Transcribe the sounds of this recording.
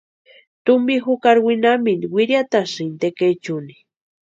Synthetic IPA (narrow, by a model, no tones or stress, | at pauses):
t̪ʊmbixʊkaɾwinaminwiɾjat̪asint̪ekejt͡ʃuni